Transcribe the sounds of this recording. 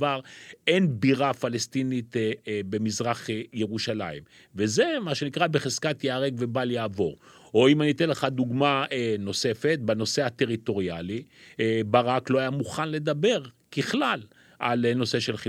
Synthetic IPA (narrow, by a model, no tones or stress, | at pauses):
vaʁe̞nbiʁafalest̪init̪be̞mizʁaχje̞ʁuʃalaim | veze̞maʃe̞nikʁabeχez̥kat̪jaːʁeɡvebaljaːvo̞̰ʁ | oimanit̪enleχad̪uɡmaeno̞se̞fet̪̚bano̞seat̪e̞ʁit̪o̞ʁialibaʁaklo̞ajamuχanle̞d̪abe̞ʁkiχlal | ʔalno̞se̞ʃelχi